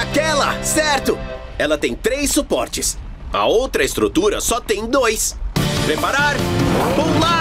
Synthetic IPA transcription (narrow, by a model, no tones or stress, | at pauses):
akɛlɐsɛɾt̪ʊ | ɛlɐt̪ẽj̃t̪ɾejsːupɔɾt͡ʃɪs | ɐ̰owt̪ɾɐest̪ɾut̪uɾɐ̰sɔt̪ẽj̃d̪ojspɾepaɾaɾpola